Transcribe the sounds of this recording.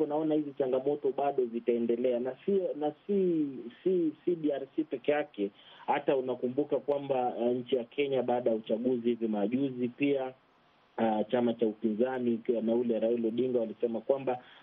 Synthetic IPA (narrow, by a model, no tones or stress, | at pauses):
ɔnaɔnahizit͡ʃaŋɡamɔtɔɓaɗɔzitaɛndɛlɛanasinasisisiɗiaɾsipɛkɛjakɛhataunakumbukakwambaɲ̩t͡ʃijakʰɛɲaɓaːɗajaut͡ʃaɠuzihivimaʄuzipia | t͡ʃamat͡ʃaupinzaninaulɛɾailɔɗiŋɡawalisɛmakwamba